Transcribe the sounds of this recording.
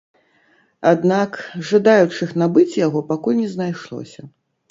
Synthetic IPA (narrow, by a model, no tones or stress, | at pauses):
ad̪nakʐad̪ajut͡ʂɨxnabɨt͡sʲjaɣɔpakulʲnʲɛznajʂlˠɔ̰sʲɐ